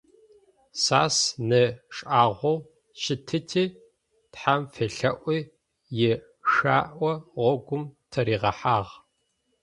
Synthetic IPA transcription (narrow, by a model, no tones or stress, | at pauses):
saːsnɨʂʼʔaːʁʷɔw | ʃɪtʰɨtʰiː | tħamfeɬɐʔʷiː | jɛ | ʂaːʔʷɔʁʷɔɡʷʊmtʰɐɾiːʁɐħaːʁ